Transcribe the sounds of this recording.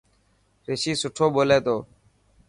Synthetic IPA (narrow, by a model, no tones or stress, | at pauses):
ɾɪʃiːsʊʈʰoːɓoːleːt̪oː